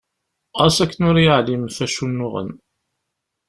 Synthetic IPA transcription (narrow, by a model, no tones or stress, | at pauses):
æsækːənʊɾjəʕlimθæʃunːʊʁə̰n